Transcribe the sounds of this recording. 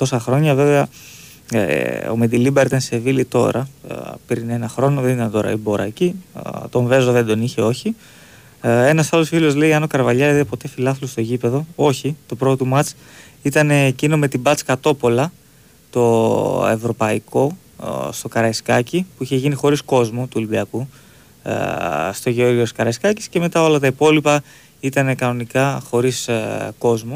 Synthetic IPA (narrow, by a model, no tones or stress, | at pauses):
t̪o̞sɐxɾo̞ɲɐve̞veɐ | o̰med̪ilibɐɾit̪ɐnse̞vilit̪o̞̰ɾʔɐ̰pɾine̞nɐxɾo̞no̞ðe̞nit̪ɐnt̪o̞ɾɐ̰ibo̞ɾɐ̰cit̪o̞ɱve̞zoðe̞nd̪o̞niçe̞o̞çi | e̞nɐsɐlo̞sfilo̞zle̞iɐno̞kɐɾvɐʎɐiðepo̞t̪e̞filɐθlost̪o̞ʝipe̞ðo̞o̞çit̪o̞pɾo̞t̪omɐt͡s | it̪ɐne̞ːcino̞me̞t̪ibɐt͡skɐt̪o̞po̞lɐ | t̪o̞e̞̰vɾo̞pɐiko̞ | st̪o̞kɐɾɐiskɐcipuiçe̞ʝinixo̞ɾisko̞zmut̪uolibiɐkṵ | st̪o̞ʝeo̞ɾʝioskɐɾɐiskɐci̥sce̞me̞t̪ɐo̞lɐt̪ɐipo̞lipɐ | it̪ɐne̞kɐno̞nikɐxo̞ɾisko̞zmu